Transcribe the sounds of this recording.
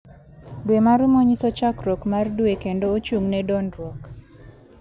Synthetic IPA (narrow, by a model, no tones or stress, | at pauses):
ɡwemaɾumoɲisɔt͡ʃakɾokmarduekendoːt͡ʃuŋnɛdɔnɾɔk